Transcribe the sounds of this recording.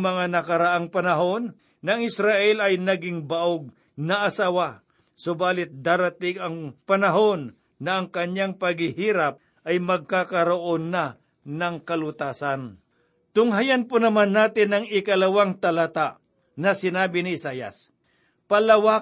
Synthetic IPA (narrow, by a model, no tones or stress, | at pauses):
mɐŋanɐkɐɾaʔaŋpɐnɐɦo̞nː | ɐŋɪsɾaʔɛlɐjnɐɡɪŋbaʔoɡ̚ | nɐʔɐsaːwa | sobaːlɪt̪̚d̪aːɾɐt̪ɪɡɐŋpɐnɐɦo̞nː | ɐʔɐŋkɐɲaŋpɐɡhɪhiːɾap̚ | ʔɐjmɐɡ̚kakɐɾoʔonːa | nɐŋkɐlʊt̪aːsan | t̪ʊŋɦajanpʊnɐmanːaːt̪ɪnɐŋɪkɐlɐwaŋt̪ɐlat̪aʔ | nɐsɪnaːbɪnɪɪsaːjɐ̰s | pɐlɐwa